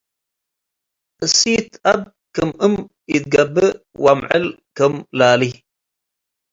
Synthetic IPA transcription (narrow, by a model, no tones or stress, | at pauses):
ʔɨsiːt̪ʔɐb̚ | kəməm | jit̪̚ɡɐbːə | wamʕə̰lkəmlaːli